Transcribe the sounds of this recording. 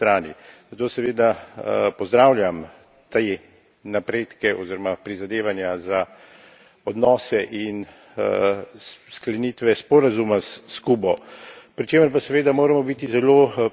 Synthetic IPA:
t̪ɾaːnḭzat̪oːsɛʋeːd̪apɔzd̪ɾaːwlʲjam | t̪e | napɾeːt̪kɛɔziɾɔmapɾizad̪eːʋanjaza | ɔd̪nɔːsɛʔin | sklɛniːt̪ʋɛspɔɾazumasːkubɔpɾit͡ʃeːməɾpasɛʋeːd̪amoːɾɛmɔbit̪izɛloː

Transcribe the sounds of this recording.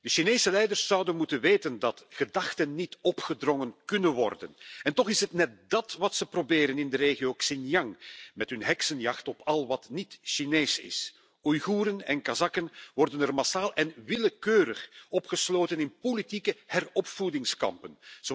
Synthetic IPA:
d̥əʃineːsəlɛjdərsːʌwdənmutənʋeːtəndɑtxədɑxtənːitɔpχədrɔŋənkɵnənʋɔ̰rdə̰nɛntɔxɪsɦətnɛt̚dɑtʋɑtsəprobeːɾənɪndəɾeːɣijoksɪnjɑŋmɛtɦɵnɦɛksənjɑxtɔpʰɑlˠʋɑtnitʃineːsɪ̰s | ujɣuːɾənɛnkazɑkənʋɔrdənɛrmasaːlˠɛnʋɪləkøːɾəxɔpxəsloːtənɪnpolitikəhɛrɔpfudɪŋskɑ̰mpənz

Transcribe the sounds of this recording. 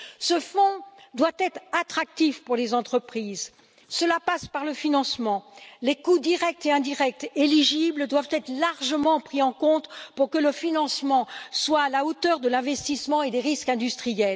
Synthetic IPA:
səfɔ̃d̪wat̪ɛt̪χat̪χak̚t̪ifpuʁlezɑ̃t̪χəpχiːz | səlapaspaʁləfinɑ̃smɑ̃lekud̪iʁɛk̚t̪eɛ̃d̪iʁɛk̚t̪eliʒibld̪wavt̪ɛt̪χlaʁʒəmɑ̃pχiɑ̃kɔ̃t̪puʁkələfinɑ̃smɑ̃swaːlaot̪œʁd̪əlɛ̃vɛst̪ismɑ̃ed̪eʁiskɛ̃d̪yst̪χijɛl

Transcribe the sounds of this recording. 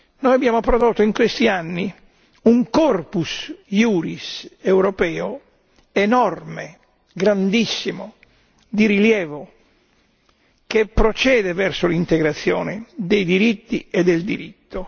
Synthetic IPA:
noːjabjaːmopɾod̪ot̪ːoiŋkwest̪ianːi | uŋkɔrpusjuːɾisewɾɔpɛːo | enɔrme | ɡɾand̪isːimo | d̪iɾiljɛːvo | kepːɾot͡ʃɛːd̪ɛvɛrsolint̪eɡɾat̪sːjɔ̰ːned̪ejd̪iɾit̪ːied̪ːeld̪iɾit̪ːo

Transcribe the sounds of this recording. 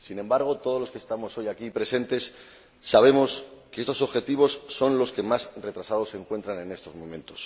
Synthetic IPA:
sinẽ̞mbaɾɣ̞ot̪oð̞o̞zlo̞skest̪amo̞so̞jakipɾe̞se̞nt̪e̞sː | aβ̞e̞mo̞ske̞est̪o̞so̞βxe̞t̪iβ̞o̞sːo̞nlo̞ske̞masre̞t̪ɾasað̞o̞sːe̞ŋkwe̞nt̪ɾanẽ̞ne̞st̪o̞zmõ̞mẽ̞nt̪o̞̥s

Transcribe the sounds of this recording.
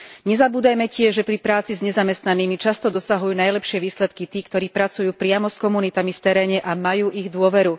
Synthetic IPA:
ɲɛzabuːd̪ajmɛcɪɛʒʒɛpɾipɾaːt͡sizɲɛzamɛst̪naniːmit͡ʃast̪ɔd̪ɔsaɦujuːnajlɛpʃɪɛʋiːslɛt̪kit̪iːkt̪ɔɾiːpɾat͡sujuːpɾɪamɔskɔmunit̪amift̪ɛɾɛːɲɛʔamajuːʔiɣd̪ʊɔʋɛɾu

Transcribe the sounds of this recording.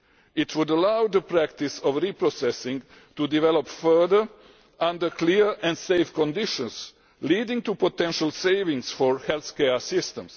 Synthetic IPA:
ɪt̪ʰwʊdəlaʊðəpʰɹækt̪ɪsɔvɹipɹosɛsɪ̃ŋ | t̪udɪvɛlɔpfɜ˞ðə˞ | ʔʌ̃ndə˞kʰliɹɛ̃nseɪfkɔ̃ndɪʃɔ̃ns | lidɪ̃ŋt̪upɔtɛ̃nʃəlˠseɪvɪ̃ŋsfɔɹhɛlθkɛɹsɪstə̃ms

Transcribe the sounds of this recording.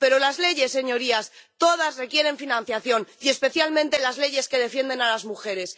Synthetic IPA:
pe̞ɾo̞lazle̞ʝe̞sːe̞ɲo̞ɾiast̪o̞ð̞asre̞kje̞ɾe̞ɱfinãn̟θjaθjo̞niespe̞θjalmẽnt̪e̞lazle̞ʝe̞ske̞ð̞e̞fje̞nd̪e̞nalazmuxe̞ɾe̞s

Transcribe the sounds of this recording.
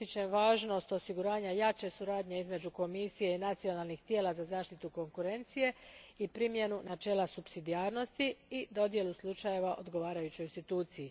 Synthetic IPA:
it͡ʃemʋaːʒno̞st̪o̞siɡuɾaːɲajaːt͡ʃe̞suɾaːd̪ɲe̞izme̞d͡ʒuko̞misije̞inat̪sio̞nalˠnixt̪je̞ːlazazaːʃt̪it̪uko̞ŋkuɾe̞nt̪sije̞ipɾimje̞nunat͡ʃe̞ːlasupsid̪iaːɾno̞st̪iid̪o̞d̪je̞luslˠut͡ʃaje̞ʋaʔo̞̰d̪ɡo̞ʋaːɾajut͡ɕo̞jinst̪it̪uːt̪siji

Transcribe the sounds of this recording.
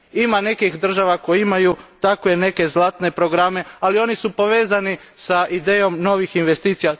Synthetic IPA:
imane̞kixd̪r̩ʒaʋakojimajut̪akʋe̞ne̞ke̞zlˠat̪ne̞pɾo̞ɡɾame̞alio̞nisupo̞ʋe̞ːzanisaʔid̪e̞ːjo̞mno̞ʋixinʋe̞st̪iːt̪sija

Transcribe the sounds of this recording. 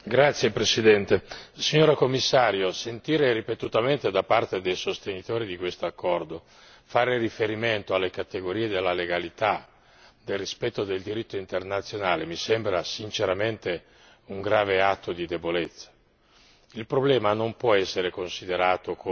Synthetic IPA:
ɡɾat̪sːjepɾesid̪ɛnt̪esiɲːoːɾakomːisːaːɾjosent̪iːɾeɾipet̪ut̪ament̪ed̪apart̪ed̪ejsost̪enit̪oːɾid̪ikwest̪oakʰːɔrd̪o | faːɾerifeɾiment̪oalːekat̪eɡoɾiːed̪elːaleɡalit̪a | d̪elrispɛt̪ːod̪eld̪iɾit̪ːoint̪ernat̪sːjonaːlemisembɾasint͡ʃeɾament̪e | uŋɡɾaːveat̪ʰːod̪id̪ebolet̪sːḁ | ilpɾoblɛːmanompwɔɛsːeɾekonsid̪eɾaːt̪ok

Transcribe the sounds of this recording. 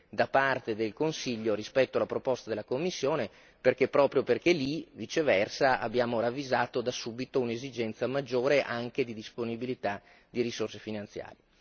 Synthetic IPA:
d̪apart̪ed̪elkonsiʎːoɾispɛt̪ːoalapɾopost̪ad̪elakomːisːjoːne | perkepːɾɔːpɾjoperkelivit͡ʃevɛrsaa̰bːjaːmoɾavːizaːt̪od̪asuːbit̪ounezid͡ʒɛnt̪samad͡ʒːoːɾeʔaŋk̟ed̪id̪isponibilit̪a | d̪iɾisorsefinant̪sja̰ːɾje

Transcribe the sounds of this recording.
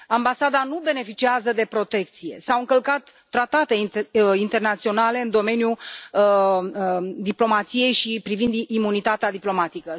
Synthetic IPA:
ambasad̪anube̞ne̞fit͡ʃiazəd̪e̞pɾo̞t̪e̞k̚t̪sije̞̰sawɨŋkəlkat̪ːɾat̪at̪e̞int̪ernat̪sio̞nale̞ɨnd̪o̞me̞nju | d̪iplo̞mat̪sije̞jʃipɾivind̪ːmunit̪at̪ead̪iplo̞mat̪ikə

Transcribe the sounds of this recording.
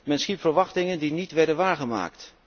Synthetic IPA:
mɛnsχipfəɹʋɑχtɪŋəndinitʋɛɹdənʋaːɹχəma̰ːkt

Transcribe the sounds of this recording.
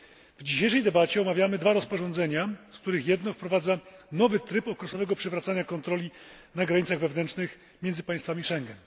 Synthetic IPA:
vd͡ʑiɕejʂɛjd̪ɛbat͡ɕɛɔmavʲjamɘd̪vaɾɔspɔʐɔnd̪zɛɲaskt̪uɾɘxjɛd̪nɔfpɾɔvad̪zanɔvɘt̪ɾɘpɔkɾɛsɔvɛɡɔpʂɛvɾat̪saɲakɔnt̪ɾɔlʲi | naɡɾaɲit̪saɣvɛvnɛnt͡ʂnɘx | mʲɛndzɘpãj̃st̪famʲiʂɛŋɡɛn

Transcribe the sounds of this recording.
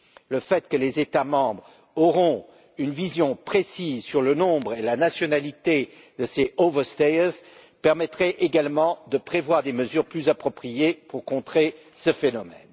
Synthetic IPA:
ləfɛt̪kəlezet̪amɑ̃bʁ | ɔʁɔ̃ | ynvizjɔ̃pχesizsyʁlənɔ̃bʁelanasjɔnalit̪e | d̪əseovəʁst̪es | pɛʁmɛt̪χɛʔeɡalmɑ̃d̪əpχevwaʁd̪eməzyʁplyzapχɔpχijepuʁkɔ̃t̪χe | səfenɔmɛ̰n

